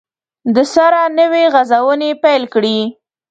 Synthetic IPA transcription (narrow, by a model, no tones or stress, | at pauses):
d̪əsaɾanəweɣazawənepajlkɽi